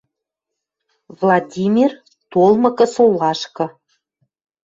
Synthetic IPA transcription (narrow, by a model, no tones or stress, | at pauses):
vlˠɑd̪ʲimʲir | t̪olˠmɤ̆kɤ̆solˠɑʃkɤ̆